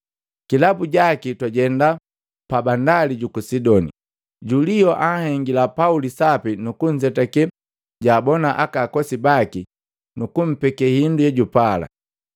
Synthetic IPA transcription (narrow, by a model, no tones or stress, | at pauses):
kilabuɟakitwaɟɛnda | pabandaliɟukusidɔnḭ | ɟulijɔʔahɛŋɡilapaulisapinukuɲd͡ʒɛtakɛ | ɟaːbɔnaʔakaːkɔsibaki | nukum̩pɛkɛhindujɛɟupala̰